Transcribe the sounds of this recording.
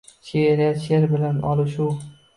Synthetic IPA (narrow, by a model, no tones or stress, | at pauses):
t͡ʃʰeɾaʃeɾbɪlanɒlˠɪʃu